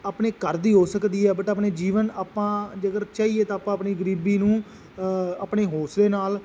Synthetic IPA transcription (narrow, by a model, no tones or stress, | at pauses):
aːpɳeːkəɾd̪iːɦoːsəkd̪iːɦɛːbəʈaːpneːd͡ʒiːʋənaːpãːd͡ʒəɡəɾt͡ʃaːiːeːt̪ãːpãːəpniːɡəɾiːbiːnũː | aːpɳeːɦoːsleːnaːl